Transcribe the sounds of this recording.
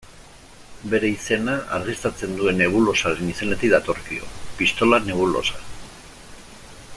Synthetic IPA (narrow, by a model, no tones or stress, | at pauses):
be̞ɾe̞ise̞naa̰ɾɣist̪ɾat͡se̞nd̪ue̞nːe̞β̞ulo̞saɾenise̞ne̞t̪iðat̪o̞ɾkio̞̰pist̪o̞lane̞β̞ulo̞̰sa